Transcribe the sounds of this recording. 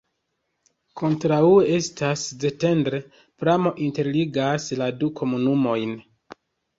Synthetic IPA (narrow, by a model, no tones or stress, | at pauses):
kʰo̞ntɾauee̞stʰasze̞te̞ndɾe | pɾamo̞ʔinte̞ɾliɡasladukʰo̞munumo̞jn